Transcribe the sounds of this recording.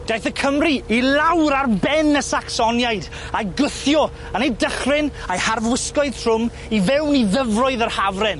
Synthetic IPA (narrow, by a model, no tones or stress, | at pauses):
d̥ajθəkʰəmriilˠawɾarbɛnəsaksɔnjajd | ajɡʊθjɔ | ənejdəχrɪnajharvwɪsklɔɨð̥tʰrʊm | ivɛwniðəvrɔɨðərhavrɛn